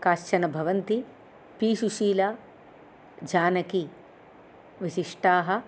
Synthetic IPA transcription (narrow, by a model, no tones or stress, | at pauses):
kaːʃt͡ʃɐnɐbʱɐʋɐnt̪i | piːʃuʃiːla | d͡ʒaːnɐki | ʋiʃiʂʈaːɦɐ̆